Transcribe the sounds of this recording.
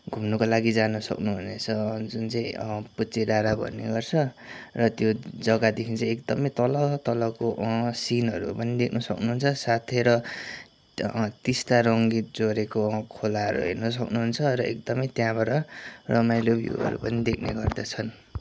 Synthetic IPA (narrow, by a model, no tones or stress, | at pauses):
ɡʱumnʌkolaɡid͡zanʌsʌ̰knuɦunḛt͡sʰʌd͡zunt͡saĩput͡siɾaɾabʱʌ̰nːḛɡʌrt͡sʰʌrʌt̪jod͡zʌɡad̪ekʰĩt͡sʌ̃ekd̪ʌmʌjt̪ʌlʌt̪ʌlʌkoʔsinɦʌɾṵpʌnid̪ekʰnʌsʌknuɦunt͡sʰʌsat̪ʰeɾʌ | t̪ist̪aɾʌŋɡit̪̚d͡zoɾekokʰolaɦʌ̰ɾṵɦḛrnʌs̬ʌknuɦunt͡sʰʌɾʌḛk̚d̪ʌmʌjt̪jãbʌɾʌrʌmajlobʱjṵɦʌ̰ɾṵpʌnid̪ekʰnḛɡʌrd̪at͡sʰʌn